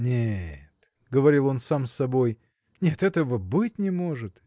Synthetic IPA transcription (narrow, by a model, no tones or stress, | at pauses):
nʲet̪ | ɡəvɐɾʲilˠo̞nsamsɐbo̞j | nʲe̞t̪ɛt̪əvəbɨtʲnʲɪmo̞ʐɨt̪